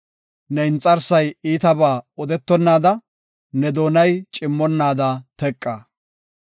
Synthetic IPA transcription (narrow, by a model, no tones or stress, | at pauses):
nɛɪnt͡sʼːɐɾsɐjiːt̪ɐbaːɔd̪ɛt̪ːɔnːaːd̪ɐ | nɛd̪o̞ːnɐjt͡ʃʼɪmːɔnːaːd̪ɐt̪ɛkʼːaː